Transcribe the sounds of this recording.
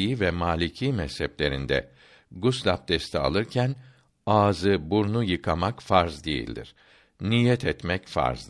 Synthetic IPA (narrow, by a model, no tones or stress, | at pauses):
jivɛmaːlʲicʰiːmɛshɛplʲe̞ɾind̪ɛ̰ | ɡuslʲap̚d̪̥ɛst̪ʰɛa̰lˠɯɾcʰæn | aːzɯbuɾnujɯkʰamakfaɾzd̪ḛjḭlʲd̪ḭɾ̥ | nijɛt̪ʰɛt̪mɛcfa̰ɾzd̪